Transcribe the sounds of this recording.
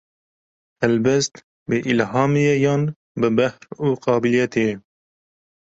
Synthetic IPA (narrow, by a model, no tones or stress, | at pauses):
hɛlbɛst̪ | bəʔilɦɑːmijɛjɑːn | bɨbæhɾuːqɑːbilijɛt̪ʰejɛ